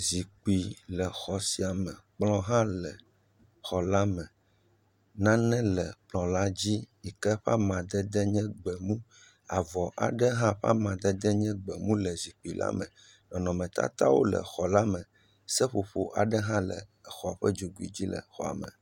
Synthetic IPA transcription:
zi˨k͡pi˨lɛ˨xɔ˨si˨a˨mɛ̃˨k͡plɔ̃˦ɦã˦lɛ˨ | xɔ˨la˦mɛ̃˨ | nã˦nɛ̃˦lɛ˨k͡plɔ̃˨la˦d͡ʑi˦i˨kɛ˦ɸa˦mã˨d̪ɛ˦d̪ɛ˦ɲɛ̃˦ɡ͡bɛ˨mũ˦ | a˨vɔ˨ʔa̰˨ɖɛ˦ɦã˦ɸa̰˦mã˨d̪ɛ˦d̪ɛ˦ɲɛ̃˦ɡ͡bɛ˨mũ˦lɛ˨zi˨k͡pi˨lʔa̰˦mɛ̃˨ | nɔ̃˨nɔ̃˨mɛ̃˨t̪a̰˦t̪a̰˦wo̰˦lɛ̰˨xɔ˨la˦mɛ̃˨ | sɛ˦ɸo˨ɸo˦ʔa˨ɖɛ˦ɦã˦lɛ̰˨ɛ˨xɔ˨a˨ɸɛ˦d͡ʒo˨ɡu˨˦ḭ˨d͡ʑi˦lɛ̰˨xɔ˨a̰˨mɛ̰̃˨

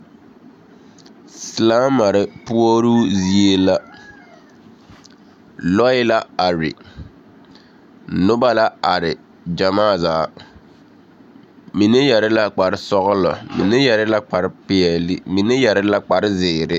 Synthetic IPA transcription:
sɪ˨laː˦ma˨ɾɪ˦pʊ˦o˦ɾu˦zi˦e˦la˦ | lɔ˦ɪ˦la˦a˨ɾɪ̰˨ | nʊ˦ba˦la˦a˨ɾɪ˨ | d͡ʒa˨maː˦˨zaː˨˦˨ | mi˨ne˦ja˨ɾɪ˦la˦k͡pa˨ɾɪ˦sɔ˦ɣʊ˦lɔ̰˨mḭ˨ne˦ja˨ɾɪ˦la˦k͡pa˨ɾɪ˦pɪ˦ɛ˨lɪ˦mi˨ne˦ja˨ɾɪ˦la˦k͡pa˨ɾɪ˦zɪː˨ɾɪ˦

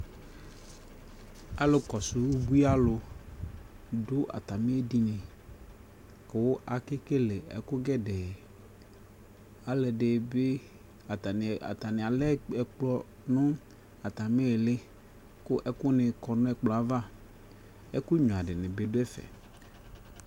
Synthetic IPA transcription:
a˨lo˨kɔ˨sʊ˨wu˦bu˦i˦a˦lʊ˨ | dʊ˦ʔa̰˨t̪a˨mẽ˦e˦di˦nɪ̃˨ | ke˨wo˦ʔa˨ke˦ke˦le˨ɛ̰˨kʊ˦ɡɛ˦dɛ˨ | a˨le˨ɖe˨be˦ | a˨t̪a˨n˨a̰˨t̪a˨nɪ̃˨a˨lɛ˦ɛ˨k͡plɔ˦ | nʊ̃˦ | a˨t̪a˨mẽ˦e˨lɪ˦ | kʊ˦ʔɛ˦kʊ˦nɪ̃˨kɔ˨nʊ̃˦ɛ˨k͡plɔ˨˦a˦va˦ | ɛ˦kʊ˦ɲɔ̃˨a˨ɖɪ˨nɪ̃˨be˨dʊ˦ɛ˦fɛ̰˨

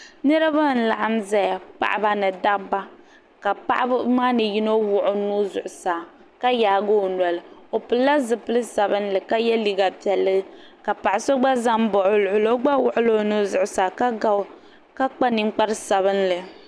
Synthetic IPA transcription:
nɛ˦ɾa˦ba˦˨n̩˨la˨ʔa˦mzɛ˦ja˨pa̰˨ʔa˦ba˦nɨ˨da˦ba˦ | ka˨pa̰˦ʔa˦bmaː˦nɨ˨ji˦no˦wʊ˨ʔʊ˨nu˦zʊ˨ʔʊ˨saː˨ | ka˦jaː˨ɡo˦˨nɛ˨lɨ˨o˨pɨ˨lːa˦zɨ˨pɨ˦lɨ˦sa˨bɨ˦nlɨ˨ka˦jɛ˦li˦ɡa˨pɛ˨lːɨ˦ɡɨ˦ka˨pa˨ʔɪ˨so˦ɡ͡ba˦za˦m˦bo˨ʔʊ˨˦lʊ˨ʔʊ˨lo˦ɡ͡ba˦wʊ˨ʔʊ˦lo˦nu˦zʊ˨ʔʊ˨saː˨ka˦a˦ | ka˦k͡pa˦ni˦ŋ͡mk͡pa˦ɾsa˨βɨ˦nlɨ˨

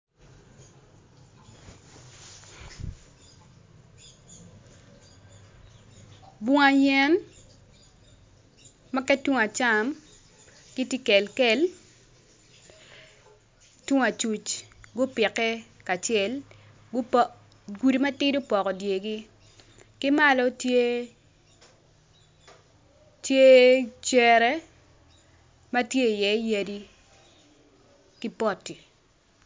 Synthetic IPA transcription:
bʊ˦ŋa˨jɛ˦n | ma˦kɛ˦twu˦ŋa˨t͡ʃa˨m | ki˦ti˦kɛ˨lkɛ˨l | twu˦ŋa˨t͡ʃu˨t͡ʃɡʊ˦pɪ˨kɛ˦ | ka˨t͡ʃɛ˨l | ɡʊ˦p | ɡu˨di˨ma˦tɪ˦dʊ˦pɔ˨kɔ˨dje˨ɡi˦ | kɪ˦ma˦lɔ˦tje˦ | tje˦t͡ʃɛ˨ɾɛ˦ | ma˦tje˦˨jɛ˨˦ja˦di˦ | ki˦pɔ˦tːi˨

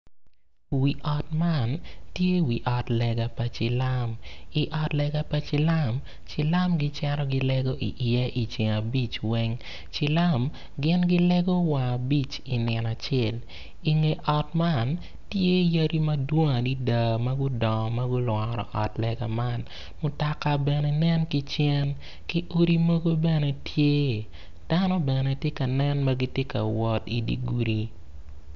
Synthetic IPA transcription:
wi˨ʔɔ˨tma˦˨ntje˦wi˨ʔɔ˨tlɛ˨ɡa˨pa˨t͡ʃɪ˨la˦mi˨ʔɔ˨tlɛ˨ɡa˦pa˨t͡ʃɪ˨la˦m | t͡ʃɪ˨la˦mɡɪ˦t͡ʃɛ˦ɾɔ˦ɡɪ˦lɛ˦ɡo˦ʔḭ˨ʔe˦ʔi˨t͡ʃi˨ŋa˨bi˦t͡ʃwɛ˦ŋ | t͡ʃɪ˨la˦m | ɡɪ˦nɡɪ˦lɛ˦ɡo˦wa˨a˨bi˦t͡ʃ | i˨nɪ˨na˨t͡ʃe˦˨l | i˨ŋe˨ʔɔ˨tma˦˨n | tje˦jɐ˦ɾi˦mɐ˦dwo˦ŋa˨di˦da˨mɐ˦ɡʊ˦dɔ˨mɐ˦ɡʊ˦lwɔ˨ɾɔ̰˨ʔɔ˨tlɛɡa̰˨ma˦˨n | mʊ˨ta˨ka˦bɛ˨nɛ˨nɛ˦nki˦t͡ʃɛ˦n | ki˦ʔo˦ɾi˦mo˦ɡo˦bɛ˦nɛ˦tʰje˦ | d̥a˦nɔ˦bɛ˨nɛ˨tje˦kɐ˨nɛ˦nma˦ɡi˦tje˦ka̰˨wɔ˦ti˨dḭ˨ɡu˨ɾi˦

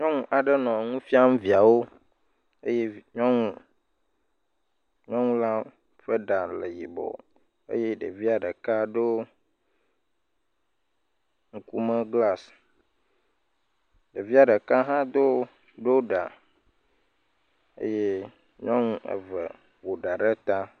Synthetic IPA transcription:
ɲɔ̃˦ŋũ˦ʔa˨ɖə˦nɔ̃˨ŋũ˦fi˦a˦mũ˦vi˨a˨wo˦ | e˦je˦ɲɔ̃˦ŋũ˦ | ɲɔ̃˦ŋũ˦la˦ | ɸə˦ɖa˨le˨ji˨bɔ̰˨ | ḛ˦je˦ɖə̰˨vi˦a˨ɖə˨ka˦ɖo˦ | ŋ̩˨ku˦mə˦ɡla˦s | ɖe˨vi˦a˨ɖə˨ka˦ɦã˦d̪o˦ | ɖo˦ɖa̰˨ | ḛ˦je˦ | ɲɔ̃˦ŋũ˦ḛ˨və̰˨ | wo˨ɖa˨ɖe˦t̪a˦

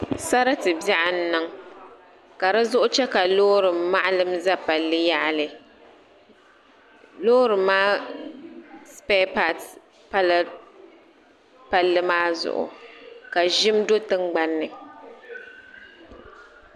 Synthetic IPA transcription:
sa˦ɾa˦tɨ˨bja˦ʔa˨n̩˦nɨ˦ŋ | ka˨ɾa˦zʊ˦ʔʊ˦t͡ʃɛ˦ka˨loː˦ɾɨ˨mːa˦ʔa˦lɨ˦mza˦pa˨lːɨ˦ja˦ʔa˦lɨ˨ | loː˦ɾɨ˨mːaː˦ | spɛ˦pa˨t | pa˦l | pa˨lːɨ˦maː˦zʊ̰˨ʔʊ̰˨ka˨ʒɪ˦mdo˦tɨ˦ŋɡ͡ba˦nːɨ˨

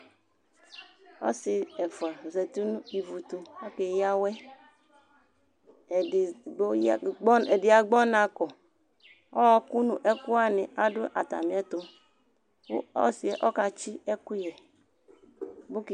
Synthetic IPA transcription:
ɔ̰˦si˨ɛ˨fa˨zɛ˨tu˦nu˦i˨vu˨tu˨ɔ˦ke˨ja˦wɛ˦˨˦ | ɛ˨di˨a˨ɡ͡bɔ˦na˨kɔ˨ | ɔ˦ɔ˦ku˦nu˨ʔɛ˦ku˦a˦ni˨a˦dʊ˦ʔa̰˨ta̰˨mi˨˦ɛ˦tu˨˦ | ɔ̰˦si˨˦ɛ˨ʔɔ˦ka˨t͡ʃi˦ɛ˦ku˦jɛ˨ | bu˦k

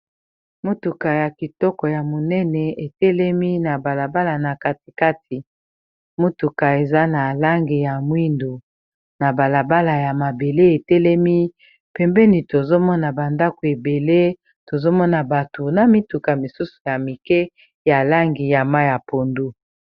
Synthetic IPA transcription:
mo˦tu˨ka˨ja˨ki˨tɔ˦kɔ˨ja˨mo˨nɛ˦nɛ˨e˨tɛ˦lɛ˦mi˦na˨ba˨la˨ba˦la˨na˨ka˨t̚i̥˨ka˦t̚ʰi˨ | mo˦tu˨ka˨e˨za˦na˨la˦ŋɡi˨ja˨mwi˦ndo˨ | na˨ba˨la˨ba˦la˨ja˨ma˨be˨le˦e˨tɛ˦lɛ˦mi˦ | pɛ˨mbɛ˦ni˨to˨zo˦mɔ˦na˨ba˨nda˦ko˨e˨be˨le˦ | to˨zo˦mɔ˦na˨ba˨to˨na˨mi˦tu˨ka˨mi˨su˦su̥˨ja˨mi˨kɛ˦ | ja˨la˦ŋɡi˨ja˨ma˦ja˨po˨ndu˦

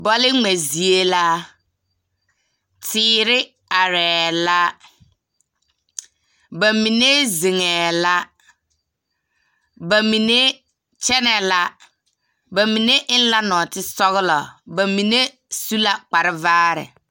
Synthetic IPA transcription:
bɔ˦lɪ˦ŋɛ˨zi˨e˦la˦ | tʰɪː˦ɾɪ˦ | a˨ɾɛː˨la˦ | ba˨mi˨ne˦ze˨ŋɛː˨la˦ | ba˨mi˨ne˦ | t͡ʃɛ˦nɛ˨la˦ | ba˨mi˨ne˦ʔɪ˦n˦la˦nɔ˨tɪ˦sɔ˦ɣɪ˦lɔ˨ba˨mi˨ne˦ | su˦la˦k͡pa˨ɾɪ˦vaː˦ɾɪ̰˨

